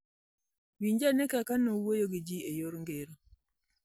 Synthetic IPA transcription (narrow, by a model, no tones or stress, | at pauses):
wiɲd͡ʒanekakanowojoɡid͡ʒiejoɾŋɡeɾo